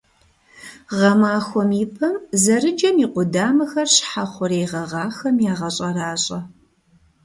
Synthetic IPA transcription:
ʁɐmaːxʷɔmiːpʰɐmzɐɾɨd͡ʒɐmiːqʷʊdaːmɐxɐrɕħaχʷʊɾeːʁɐʁɑːxɐmjaːʁɐɕʼɐraːɕʼɐ

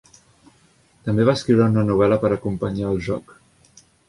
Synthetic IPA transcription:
t̪əmbeβaːskɾiwɾəunənuβ̞ɛləpəɾəkumpəɲaəlˠʒɔ̰k

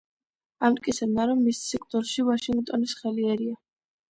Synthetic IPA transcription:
amt̪ʼkʼit̪sʰɛbnaɾɔmːissikʰt̪ʼɔɾʃivaʃiŋɡt̪ʼɔnisχɛliɛɾia

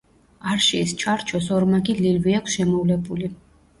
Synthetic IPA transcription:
aɾʃiːst͡ʃʰaɾt͡ʃʰɔsɔɾmaɡililviakʰsʃɛmɔvlɛbuli

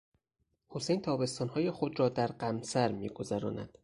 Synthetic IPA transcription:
ho̞sejnt̪ʰɒːbe̞st̪ɒːnhɒːje̞xo̞d̪ɾɒːd̪æɾɢæmsæɾmḭːɡo̞zæɾɒ̰ːnæ̰d̪̥

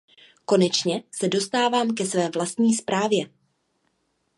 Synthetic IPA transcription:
ko̞nɛt͡ʃɲɛsɛdo̞st̪aːvaːmkɛsvɛːvlast̪ɲiːspɾaːvjɛ

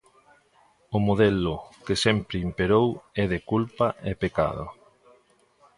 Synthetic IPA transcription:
ʊmoðɛlʊkesɛmpɾɪimpeɾowɛðekulpaʔepeka̰ðʊ̰

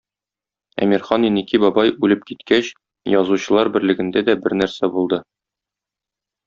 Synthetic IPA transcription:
æ̰miɾχɑninikibɒbɑjʉlɘp̚kit̪kæɕ | jɒzuɕɤ̆lˠɑɾbɘ̆ɾlɘ̆ɡɘ̆nd̪æd̪æbɘɾnæɾsæbulˠd̪ɤ

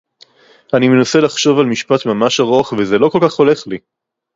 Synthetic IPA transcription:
animenase̞laχʃo̞valmiʃpat̪mamaʃaʁoaχvezelo̞ko̞lkaχo̞le̞χli

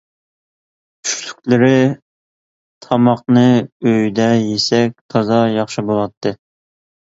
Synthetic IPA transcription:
y̥ʃly̥kʲlɪɾɪ | t̪ʰɑmɑq̚nɨøjd̪ɛjesɛk̚ʲt̪ʰɑzɑjɑχʃɨbolˠɑt̪ʰːɨ

